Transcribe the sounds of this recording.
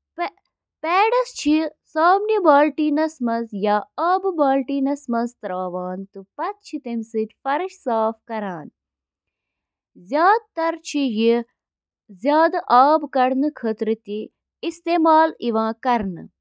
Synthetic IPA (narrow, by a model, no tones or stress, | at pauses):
p | pɛːɖɐst͡ʃʰi | saːmnibaːlʈiːnɐsmɐzjaːɐːbɨbaːlʈiːnɐsmɐnzt̪ɾaːʋaːnt̪ɨpɐt̪̚t͡ʃʰit̪emsɨt̪ʲfɐɾʃsaːfkɐɾaːn | zjaːd̪̚t̪ɐɾt͡ʃʰiji | zʲjaːd̪ʔaːbkɐɽnɨkʰət̪ɾɨt̪i | ist̪eːmaːliʋãːkɐɾnɨ̰